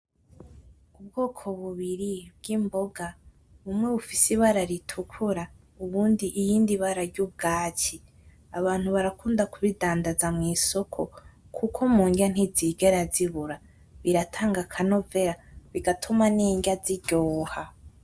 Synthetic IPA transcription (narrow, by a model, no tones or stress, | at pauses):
ubɡoːkʰo̞βuβiɾibɡ̥imbo̞ɡa | βumŋwe̞βufisiβaɾaɾitʰukʰuɾa | uβuːndiʔijiːndiβaɾaɾɟub̚ɡaːci | aβaːn̥huβaɾakuːndakuβidaːndazamŋiːso̞kʰo̞ | kʰukʰomuːŋɡan̥iziːɡeɾaziβuɾa | βiɾatʰaːŋɡakʰano̞veɾaβiɡatʰumaniːŋɡaziɟoːha